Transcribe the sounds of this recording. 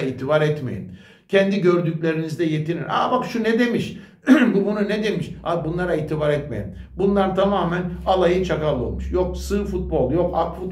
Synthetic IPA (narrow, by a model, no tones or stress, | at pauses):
iːt̪ʰibaɾɛt̪mḛjḭn | cʰɛnd̪iɟøɾd̪ycʲlʲe̞ɾinizd̪ɛjet̪ʰiɾina̰bakʃunɛd̪e̞miʃ | bubununɛd̪e̞miʃabunlˠaɾaiːt̪ʰibaɾɛt̪mḛḭn | bunlˠaɾt̪ʰamaːmænalˠajɯt͡ʃʰakalˠɯo̰muʃjo̞k̚sɯfut̪̚bo̞lˠjo̞ka̰kfut̪̚